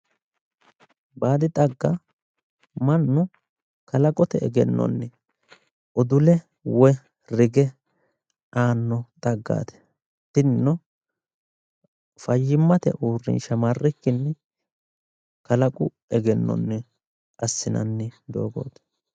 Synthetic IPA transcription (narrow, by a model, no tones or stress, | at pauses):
baːd̪ɪt̪ʼɐɡːɐ | mɐnːʊ | kɐlɐkʼɔt̪ɛɛɡɛnːɔ̰nːɪ | ʔɔd̪ʊlɛ | wɛ | ɾɪɡɛ | ʔaːnːɔt̪ʼɐɡːa̰ːt̪ɛ̥ | t̪ːɪnnːɔ | fɐjːɪmːɐt̪ɛ̰ʔuːrːɪ̰nʃɐmarːɛkːɪnːɛ | kɐlɐkʼʊ | ɛɡɛnːɔ̰nːɛ | ʔɐsːɪnɐ̰nːɪd̪o̞̰ːɡo̞̰ːt̪